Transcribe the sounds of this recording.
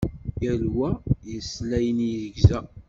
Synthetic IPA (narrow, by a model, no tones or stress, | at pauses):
jælwæjəslæjənjəzəɡzæ